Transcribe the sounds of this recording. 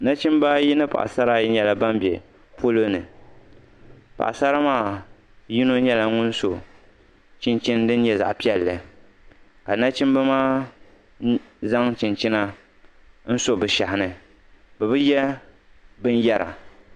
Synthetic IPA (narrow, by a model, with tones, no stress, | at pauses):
na˦t͡ʃi˦mba˦ji˦nɨ˦pa̰˨ʔa̰˨sa˦ɾa˦ɲɛ˨la˨ba˦mbɛ̰˨ | pʰo˦lo˦nɨ˨ | pa̰˨ʔa˨sa˦ɾa˦maː˦˨ | ji˦no˦ɲɛ˦la˨ŋʊ˦n˦so˨ | t͡ʃi˦nt͡ʃɪ˦ndɨ˦n˦ɲɛ˦za̰˨ʔpi˦ɛ˦lːɨ˨ | ka˨na˦t͡ʃi˦mba˦maː˦ | za˦ŋt͡ʃɪ˨nt͡ʃi˦na˦ | n̩˦so˦˨bɨ˨ʃa˨hɪ˨nɨ˨ | bɛ˨bɨ˦jɛ˦ | bɨ˦n˦jɛ˦ɾʔa̰˨